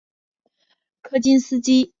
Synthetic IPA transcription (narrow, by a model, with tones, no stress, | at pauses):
kʰɤ˥t͡ɕi˥nsɹ̩˥t͡ɕi˥